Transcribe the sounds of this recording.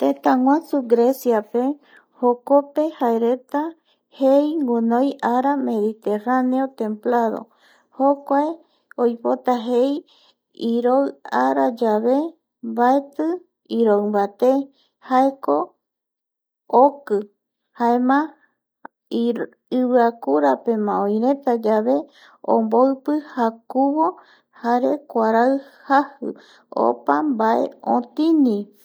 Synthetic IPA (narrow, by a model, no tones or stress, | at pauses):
t̪ẽt̪aŋwãsuɡɾesjape | hokope̞haeɾet̪a | hejŋɡunõjʔaɾame̞ðit̪eraneot̪ẽ̞mplaðo̰ | hokʷae | ojpot̪aɦej | iɾoɨaɾad͡ʒaβe | baet̪ɨ | iɾowmbat̪e | haeko̞ | okɨ | haemã | ɨβɨakuɾape̞mãõj̃ɾẽ̞t̪ad͡ʒaβe̞ | õ̰mboɨpɨhakuβo̞ | haɾe̞kʷaɾaɨhahɨ̰ | o̰pambaʔe̞̰õ̰t̪ĩnĩ